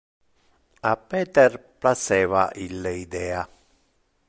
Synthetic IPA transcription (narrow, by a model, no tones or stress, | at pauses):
apːɛːt̪erplasɛːvaʔilːeid̪ɛːa